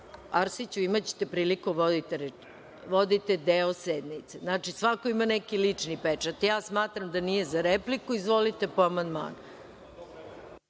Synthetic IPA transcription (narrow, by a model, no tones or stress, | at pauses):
aɾsit͡ɕuimat͡ɕe̥t̪epɾiːlikuʋod̪it̪eɾ | ʋo̞d̪it̪ed̪eosed̪mit̪seznat͡ʂisʋakoimanekilit͡ʂnipet͡ʂat̪jaːsmaːt̪ɾamd̪anije̞zaɾeplikuizʋo̞lit̪epoamand̪ma̰ːn